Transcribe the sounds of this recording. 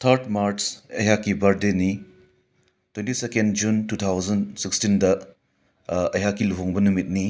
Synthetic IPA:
tʰɐɾtmaɾsɐ̰jɦakːibɐɾdeni | twentisekendd͡ʒuntut̪ʰawzɐnsikstindɐ | ɐjɦakːiluɦoŋbɐnumit̚ni

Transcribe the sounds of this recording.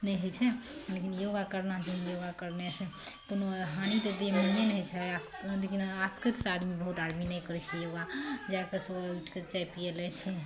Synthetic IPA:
nɛjɦəjt͡ʃʰɛlekinjoɡakəɾnad͡ʒənjoɡakəɾnesẽkonoɦañit̪əd̪emənenɦəjt͡ʃʰɛaslekinaskət̪sad̪mibəɦut̪ad̪minɛjkəɾɛt͡ʃʰɛjoɡad͡ʒakesəbauʈʰket͡ʃajpielɛt͡ʃʰɛ

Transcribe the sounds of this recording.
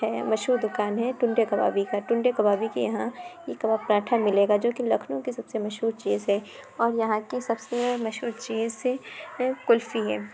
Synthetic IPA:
ɦɛːmɐʃɦuːɾd̪ʊkaːnɦɛʈʊ̃ɳɖekɐba̰ːbikaʈʊ̃ɳɖekɐbaːbikijɐɦãjekɐbaːpɾaːʈʰamɪleːɡad͡ʒoːkilɐkʰnõkisɐbsemɐʃɦuːɾt͡ʃiːzɦɛ | ɔːɾjɐɦãkisɐbsemɐʃɦuːɾt͡ʃiːzsekʊlfiɦɛː

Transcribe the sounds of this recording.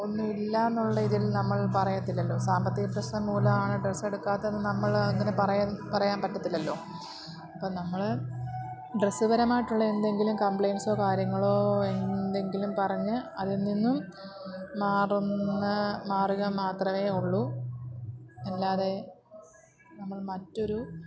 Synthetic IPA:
o̞nːuilːaːnːuɭːɐiðilnɐmːɐɭpɐrɐjɐt̪ːilːɐlːo̞ːsaːmbɐt̪ːiɣɐprɐɕnɐmmuːlɐmaːɳɨɖresːe̞ɽukːaːt̪ːɐenːɨnɐmːɐɭɐŋːɐnepɐrɐpɐrɐjaːnpɐtːɐt̪ːilːɐlːo̞ː | ɐpːoːnɐmːɐɭ | ɖresːɨbɐɾɐmaːjiʈːuɭːɐe̞nd̪e̞ŋɡilumkɐmpɭejnso̞ːkaːɾjɐŋːɐɭo̞ːe̞nd̪e̞ŋɡilumpɐrɐɲːɨɐðininːumː | aːrunːɐmaːruɣɐmaːt̪rɐme̞ːuɭːu | elːaːðe̞ | nɐmːɐɭmɐtːo̞ɾu

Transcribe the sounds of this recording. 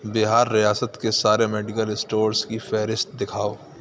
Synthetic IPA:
bɪɦaːɾːijaːsət̪kesaːɾemɛːɖɪkəlɪsʈoːɾskifɛːɾɪst̪̚d̪ɪkʰaːoː

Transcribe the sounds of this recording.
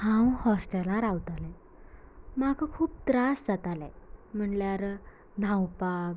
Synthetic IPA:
hãwhɔsʈəlãɾawt̪alɛ̃ | makʰəkʰuːp̚t̪ɾasd͡zat̪alɛ̰̃m̤əɳljaɾ | nãwpak

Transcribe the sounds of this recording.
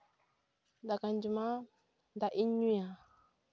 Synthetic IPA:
dakand͡ʒima | ndaʔiɲuja

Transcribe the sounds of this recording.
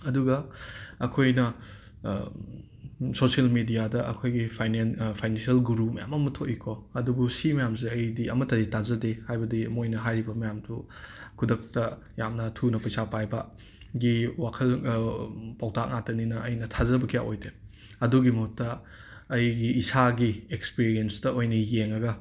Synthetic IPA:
ɐduɡɐɐkʰojnɐ | sosiɐlmidijadɐʔɐ̰kʰojɡipʰajnenpʰajnensiɐlɡuɾup̚mɐja̰mɐmɐtʰoʔikʰɔɐdubusimɐjamzeɐjdiɐmɐtɐditazɐdehajbɐdimojnɐɦajɾibɐmɐjamdu | kʰudɐk̚tɐ | jamnɐtʰunɐpɐjsapajbɐ | ɡiwakʰɐl | pawtʰak̚ŋatɐninɐʔːjnɐtʰazɐbɐkʰijaʔojde | ɐduɡimɐhuttːɐː | jɡiːsaɡiekspiɾienstɐojnɐjeŋɐɡɐ

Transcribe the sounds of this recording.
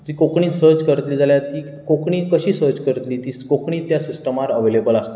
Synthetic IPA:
d͡ʑiːkokɳiːsəɾt͡ɕkəɾt̪liːd͡zaljat̪iː | kokɳiːkəɕiːsəɾt͡ɕkəɾt̪liːt̪iːskokɳiːt̪jasisʈəmaɾəʋelebəlast̪e

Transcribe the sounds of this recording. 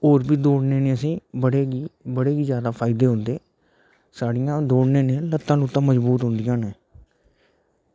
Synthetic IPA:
oːɾbiːd̪oːɽneːnẽːəsĩːbəɽeːɡiːbəɽeːɡiːzjaːd̪aːpʰaːɪd̪eːɦʊnd̪eː | saːɽɪjãːd̪oːɽneːneːlət̪ːãːnut̪ːãːməzbuːt̪ɦʊnd̪ɪjãːneː

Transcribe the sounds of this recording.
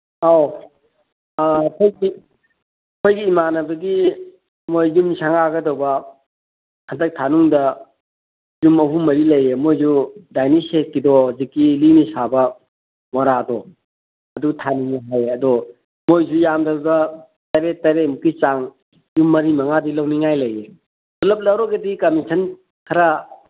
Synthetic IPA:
aw | kʰojɡi | kʰojɡiːmanɐbɐɡi | mojzumsʰaŋaɡɐdɐwbɐ | həndɐk̚tʰanuŋdɐ | zumːɐpʰumɐɾilɐjemojzudajnisekːidɔzikːilinisabɐ | mɔɾadɔ | ɐduɡtʰanuŋaɦajɐdɔ | mojzujamdɐɾdɐ | tɐɾetɐɾemukit͡ʃaŋ | jumːɐɾimɐŋadilɐwniŋajlɐje | ɔlɐp̚lɐwɾɔɡedikɐmisʰɐn | kʰɐɾa

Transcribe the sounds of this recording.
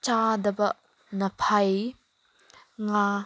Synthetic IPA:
t͡ʃadɐbɐʔ | nəpʰaj | ŋa

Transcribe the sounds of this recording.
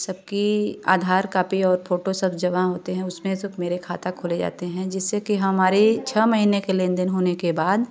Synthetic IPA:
sɐb̚kia̰ːd̪ʱaːɾkaːpiɔːɾpʰoːʈosɐbd͡ʒɐʋaɦoːt̪eɦɛ̃ʊsmẽsɐbmeːɾekʰaːt̪akʰʊled͡ʒa̰ːt̪eɦɛ̃d͡ʒɪsːekiɦɐmaːɾet͡ʃʰɛmɐɦiːnekelẽːnd̪ɪnɦoːnekebaːd̪

